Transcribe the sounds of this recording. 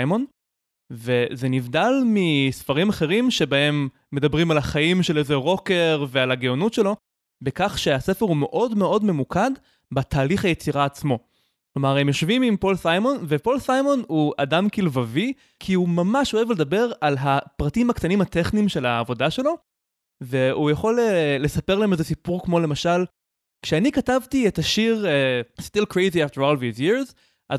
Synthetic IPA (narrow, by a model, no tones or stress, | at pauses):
jmo̞n | ve̞zenivdalmisfaʁimaχe̞ʁimʃe̞bae̞mː | e̞dɐbʁimalaχaimʃelezeʁo̞ke̞ʁvealaɡeonutʃelo̞ | bekaχʃeasefeʁhume̞ʔo̞dme̞ʔo̞dme̞mukad | bat̪ʰaːliχajet͡siʁaːt͡smo̞ | klo̞maʁemjo̞ʃvimimpo̞lsajmo̞nvepo̞lsajmo̞nhua̰damkilvavi | kʰiumamaʃo̞e̞vle̞dabe̞ʁalɦapʁatimhaktanimateχnimʃe̞laːvo̞daʃe̞lo̞ | ve̞ujaχo̞lelesapeʁlaemezesipuʁkmo̞le̞maʃal | kʃeanikatavtietaʃiʁestilkɹejziafteɾolvizjiʁz | ʔaz